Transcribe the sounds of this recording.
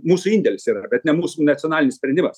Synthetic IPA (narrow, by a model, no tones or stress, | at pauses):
muːsuːɪnʲdʲɛlʲɪsiːɾɐbʲɛt̪nʲɛmuːsunɐt̪t͡s̪ʲɪoɔnɑːlʲɪnʲɪsʲpʲɾʲɛnʲdʲɪmɐs